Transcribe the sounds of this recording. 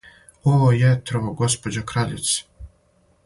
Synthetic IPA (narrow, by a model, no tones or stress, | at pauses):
oojɛt̪ɾoʋoɡospod͡ʑokɾaʎɪ̰t̪s